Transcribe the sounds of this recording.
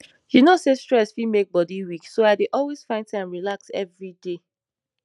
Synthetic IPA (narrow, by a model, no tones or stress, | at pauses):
junosestɹ̥ɛsfimek̚bɔdiwiksoaɪdeʔɔlwez̥fãɪ̃ntaãmɹilaksɛ̰vɹide